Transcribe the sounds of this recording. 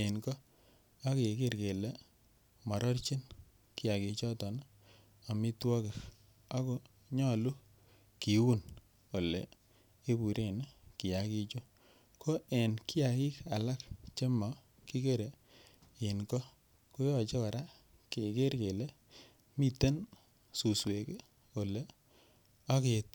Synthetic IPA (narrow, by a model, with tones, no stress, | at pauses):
e˨nkɔ˦ | a˦ke˨e˨ke˦ɾke˨le˦ | mɔ˨ɾɔ˦rt͡ʃi˦n | ki˦ja˨ki˨˧t͡ʃɔ˦tɔ˨n˦ | a˨mi˦twɔ˦ke˨k | a˦ko˦ | ɲɔ˦˨lu˦ | ki˨˦wu˦n | o˨lḛ˨ | e˦bu˨ɾʔe˦˨n˦ki˨ja˨ki˧t͡ʃu˦ | kʰo˦e˨nkɪ˦a˨ki˦ka˨la˦kt͡ʃe˦mɔ˨ | ki˦ke˦ɾe˨ | ɪ˨nkɔ˦ | ko˦jɔ˨t͡ʃe˦ka˨ɾa˦ | ke˨ke˦ɾke˨le˦ | mi˦te˦n | su˨swe˨ke˦ | o˨le˨ | a˦ke˨˦t̚